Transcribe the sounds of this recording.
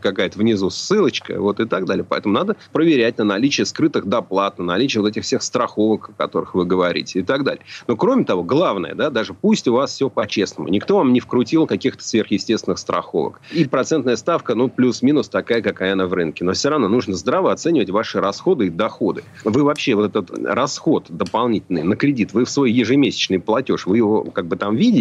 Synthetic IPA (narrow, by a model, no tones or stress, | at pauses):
kɐkajət̪əvnʲɪzusːɨlˠət͡ɕkə̰vo̞t̪ɪt̪aɡd̪alʲɪjəpɐɛ̰t̪əmʊnad̪əpɾəvʲɪɾʲæt̚ʲnənɐlʲit͡ɕɪəskɾɨt̪ɨxd̪ɐplˠat̪̚nənɐlʲit͡ɕɪjəvot̪ɛtʲɪxfsʲexst̪ɾɐxo̞vəkɐkɐ̰t̪o̞ɾɨxvɨɡəvɐɾʲḭtʲɪɪt̪aɡd̪a̰lʲɪjəno̞kɾo̞mʲɪt̪ɐvo̞ɡlˠavnə̰jə̰d̪ad̪aʐɨpusʲtʲʊvasfsʲɵpɐt͡ɕe̞snəmʊ̰nʲɪkt̪o̞vamnʲɪfkɾʊtʲilˠkɐkʲixt̪ə̥svʲe̞rxjɪsʲtʲest̪ʲɪnɨxst̪ɾɐ̰xo̞̰və̰kipɾɐt̪sɛnt̪nəjəst̪afkənuplʲusmʲinʊst̪ɐkajəkɐkajanəvrɨnkʲɪno̞fsʲo̞ɾɐvno̞nuʐnəzd̪ɾavəɐt̪sɛnʲɪvətʲvaʂɨɾɐsxo̞d̪ɨɪd̪ɐxo̞d̪ɨ̰ | vɨvɐpɕːevo̞t̪ɛt̪ət̪rɐsxo̞t̪d̪əpɐlˠnʲitʲɪlʲnɨ̰jnəkɾʲɪdʲit̪vɨfsvo̞jjɪʐɨmʲesʲɪ̥t͡ɕnɨjplˠɐtʲo̞ʂvɨjɪvo̰kaɡ̚bɨt̪amvʲidʲɪ